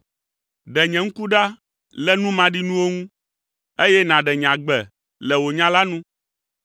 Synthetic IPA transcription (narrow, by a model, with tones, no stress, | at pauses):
ɖɛ˨ɲɛ̃˨ŋ̩˦ku˦ɖa˦ | lɛ˦nũ˦mã˨ɖi˦nũ˦wo˦ŋũ˦ | e˦jɛ˦nã˨ɖɛ˨ɲ˨ã˨ɡ͡bɛ˨ | lɛ˨wo˨ɲã˦la˦nũ˦